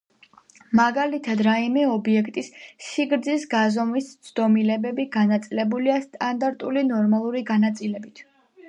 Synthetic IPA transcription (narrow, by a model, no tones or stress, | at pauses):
maɡalit̪ʰad̪ɾaimɛɔbiɛkʰt̪ʼisːiɡɾd̪zisɡazɔmist̪sʰd̪ɔmilɛbɛbiɡanat̪sʼilɛbuliast̪ʼand̪aɾt̪ʼulinɔɾmalˠuɾiɡanat̪sʼilɛbit̪ʰ